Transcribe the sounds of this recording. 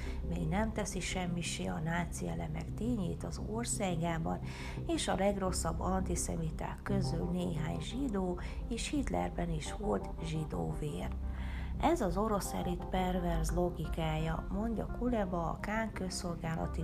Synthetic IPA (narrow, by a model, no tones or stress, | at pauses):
mḛːɡnɛmt̪ɛsiʃɛmːiʃeːɒnaːt̪siɛlɛmɛ̰kt̪eːɲḛːt̪ɒzo̞rsaːɡaːbɒn | eːʃɒlɛɡro̞sːɒbːɒnt̪isɛ̰mit̪a̰ːkːø̞zylneːɦa̰ːɲʒid̪oː | eːʃhit̪lɛ̰rbɛniʃhod̪ | ʒid̪o̰ːveːr | ʔɛzɒzo̞ɾo̞sɛ̰ɾit̪pɛrvɛrzlo̞ɡikaːjɒmo̞ɲɟɒkulɛbɒ̰ːkaːŋkø̞sːo̞lɡaːlɒ̰t̪i